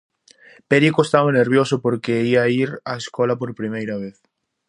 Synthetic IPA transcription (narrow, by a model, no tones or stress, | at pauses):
peɾikoest̪aβaneɾβjosʊpoɾkeiaiɾaeskɔlɐpoɾpɾimejɾɐβ̞eθ